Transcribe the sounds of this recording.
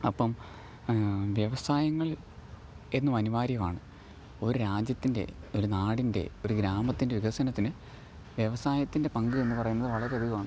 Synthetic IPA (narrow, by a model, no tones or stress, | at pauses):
ɐpːɐm | ʋjɐʋɐsaːjɐŋːɐɭ | e̞nːumɐniʋaːɾjɐmaːɳɨ | o̞ɾuɾaːd͡ʑjɐt̪ːinde̞̰o̞ɾunaːɽinde̞̰o̞ɾuɡɾaːmɐt̪ːindeiɡɐsɐnɐt̪ːinɨ | ʋjeʋɐsaːjɐt̪ːinde̞pɐŋɡɨe̞nːɨpɐrɐjunːɐðɨʋɐɭɐɾeɐðuɣɐlaːɳɨ